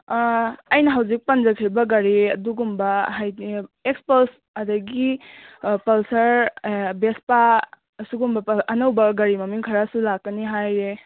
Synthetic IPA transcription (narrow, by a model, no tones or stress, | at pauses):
ɐjnɐɦawzik̚pɐnzɐkʰɾibɐɡɐɾiɐduɡumbɐɦajekspɐls | ɐdɐɡi | pɐlsɐɾbespa | suɡumbɐpɐnɐwbɐɡɐɾimɐmiŋkʰɐɾasulakːɐniɦajɾe